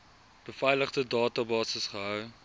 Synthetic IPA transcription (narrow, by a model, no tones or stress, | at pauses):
b̥əfɛjləχtədɑːtɐbɑːsəsχəɦœw